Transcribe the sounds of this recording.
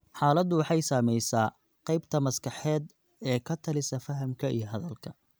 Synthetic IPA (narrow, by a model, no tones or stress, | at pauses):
ħɑːlɐd̪ʊwɑħɑjsaːmɛjsaː | qɑjbt̪ʰɐmɐskʰɐħɛːd̪ | ɛːkʰɐt̪ʰɐlɪsɐfɐɦɐmkʰɐḭjɞɦɐðɐlkʰɐ